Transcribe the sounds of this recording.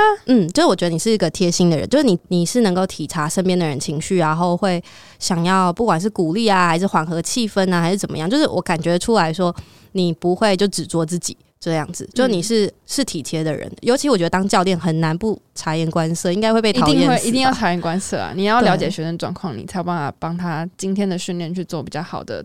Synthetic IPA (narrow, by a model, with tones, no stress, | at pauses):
n̩˥˩t͡ɕjo˥˧ʂɻ̩˥˩wɔ˨˩ɥɛ˧˥d̪ə˧ni˨˩ʂɻ̩˥˩i˧˥ɡə˨t̪ʰjɛ˥ɕi˥ŋd̪ə˨ɻə̰˧˦t͡ɕjʊʂɻ̩˥˩ni˨˩ni˨˩ʂɻ̩˥˩nə˧ŋko˥˩ʊt̪ʰi˨˩ʈ͡ʂʰa˧˥ʂə˥npjɛ˥nd̪ə˨ɻə̰˧˦nt͡ɕʰi˧˥ŋɕy˥˩ɻa˧˦nxo˥˧ʊxwe˥˩ɪ | ɕjɑ˨˩ŋjɑ˥˧ʊpu˥˩kwa˨˩nʂ̬ɻ̩˥˩ku˨˩li˥˩a˩xa˧˥ɪʂɻ̩˥˩xwa˨˩nxɤ˧˥t͡ɕʰi˥˧fə˦˥na˨˩xɪʂɻ̩˥˩t͡sə˨˩mə̰˦jɑ˥˧ŋt͡ɕjo˥˧ʊʂɻ̩˥˩wʔɔ̰˧˥ka˨˩nt͡ɕɥɛ˧d̪ə˧ʈ͡ʂʰu˥˦la˧˥ɪʂwɔ˥ | ni˨˩pu˧˦xwe˥˧ɪt͡ɕjo˥˩ʊʈ͡ʂɻ̩˨˩t͡swɔ˥t͡sɹ̩˥˩t͡ɕḭ˨˩˦t͡ɕɤ˥˧jɑ̰˥˩ŋd͡zɹ̩˩t͡ɕjo˥˧ʊ˥˩ni˨˩ʂɻ̩˥˩ʂɻ̩˥˩t̪ʰi˨˩t̪ʰjɛ˧˥d̪ə˨ɻə̰˧˦njo˧ʊt͡ɕʰi˧˥wɔ˨˩t͡ɕɥɛ˧d̪ə˧t̪ɑ˥ŋt͡ɕjɑ˥˧ʊt̪jɛ˥˩nxə˨˩nna˧˦˥npu˥˩ʈ͡ʂʰa˧˥jɛ˧˥˩nkwa˦nsɤ˥˧i˥ŋka˥ɪxwe˥˧pe˥˩˧i˥ŋɛ˥we˥˩i˧˥t̪i˥˧ŋjɑ˥˩ʊʈ͡ʂʰa˧˥jɛ˥˩nkwa˥nsɤ˥˧a̰˨˩ni˨˩jjɑ˥˩ʊljɑ˧˦ʊt͡ɕjɛ˨˩ɕɥɛ˧˥ʂə˧˥n˩ʈ͡ʂwɑ̰˨˩ŋkʰwɑ˥˩ŋni˨˩t͡sʰa˧˥ɪbo˥˩ba˥˩fa̰˨˩pɑ˥ŋt̪ʰa˥t͡ɕi˥nt̪ʰjɛ˥nd̪ə˨ɕi˥˧nljɛ˥˧nt͡ɕʰy˥˧t͡swɔ˥˩pi˨˩t͡ɕjɑ˥˩xɑ˨˩ʊd̪ə̰˦